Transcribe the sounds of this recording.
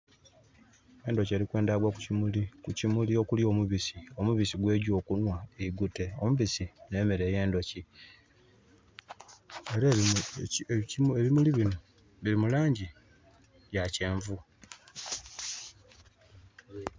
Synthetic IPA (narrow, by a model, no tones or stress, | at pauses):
e̞ndo̞ce̞ːɾikwe̞ːndaɡwakuimulikucimuliokuljo̞ːmuβisiomuβisiɡwe̞ːɟo̞ːkunwaeiɡute̞omuβisine̞ːmeɾe̞ːje̞ːndo̞ci | eɾa | eβimuliβino | βiɾimulaːɲɟi | βjace̞ːɱvu